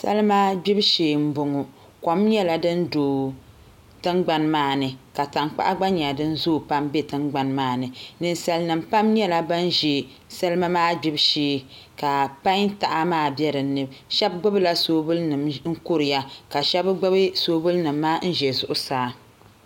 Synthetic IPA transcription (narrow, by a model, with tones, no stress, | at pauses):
sa̰˦lɨ˦ma˦ɡ͡bi˦bʃeː˨m̩˦bʊ˨ŋʊ˨ | kɔ˨mɲɛ˦la˨dɨ˦ndoː˨ | tɨ˦ŋɡ͡ba˨nmaː˦˨nɨ˨ka˨ta˨ŋk͡pa̰˦ʔa˦ɡ͡ba˦ɲa˨dɨ˦n˦zoː˦˨pa˦mbe˦tɨ˦ŋɡ͡ba˨nmaː˦˨nɨ˨nɨ˨nsa˨lnɨ˨mpa˦mɲɛ˦la˦ba˦n˦ʒe˨ | sa˦lɨ˦ma˦maː˦ɡ͡bi˦bʃeː˦ | ka˨pa˦ŋta˨ʔa˦maː˦˨bjɛ˦ɾɨ˨˦nːɨ˦bʃɛ˦b̚ɡ͡bɨ˦bla˦soː˨˦bʊ˦lnɨ˨mŋ̩˦kʊ˦ɾɨ˨ja˦ka˨ʃɛ˦bɡ͡bɨ˦bɨ˦soː˦bʊ˦lnɨ˨mːaː˦n̩˦ʒɛ˨zʊ˦ʔʊ˦saː˨